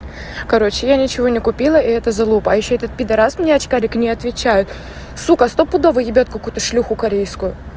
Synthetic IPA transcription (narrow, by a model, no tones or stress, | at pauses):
kɐɾo̞t͡ɕɪjanʲɪt͡ɕɪvo̞nʲɪkʊpʲilˠəɪɛt̪əzɐlˠupəɐjɪɕːoɛt̪ət̪̚pʲɪd̪ɐɾasmnʲeɐt͡ɕkaɾʲɪknʲɪɐt̪vʲɪt͡ɕæjʊt̪ | sukəst̪opʊd̪o̞vɨjɪbʲot̪̚kɐkujʊt̪əʂlʲuxʊkɐɾʲejskʊjʊ